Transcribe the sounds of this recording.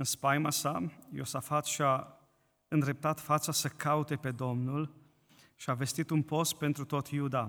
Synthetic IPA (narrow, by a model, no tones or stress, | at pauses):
ɨnspajmasajo̞̰safat̪ʃia | ɨnd̪ɾe̞p̚t̪at̪fat̪sasəkaut̪e̞pe̞d̪o̞mnul | ʃiave̞st̪it̪unpo̞s̚pe̞nt̪ɾut̪o̞t̪jud̪a